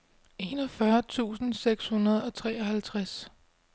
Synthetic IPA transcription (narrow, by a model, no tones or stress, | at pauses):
e̝nɒ̽fɶɐt͡sʰṵːsn̩seɡ̥shunɐð̞ˠɒ̽t͡sʰʁɛːɒhælt͡sʰʁas